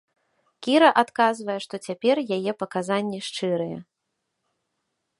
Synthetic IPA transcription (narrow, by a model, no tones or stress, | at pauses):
kʲiɾɐʔat̪kazvɐjɛʂt̪ɔt͡sʲapʲɛrjajɛpɐkazanʲːɛʂt͡ʂɨɾɨjɛ̰